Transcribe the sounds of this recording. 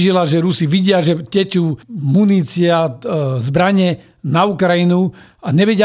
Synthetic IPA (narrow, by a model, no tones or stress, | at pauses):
ʒilaʒɛɾusiʋiɟɪaʒɛcɛt͡ʃuːmuniːt͡siazbɾaɲɛ | naukɾajinu | aɲɛʋɛɟɪ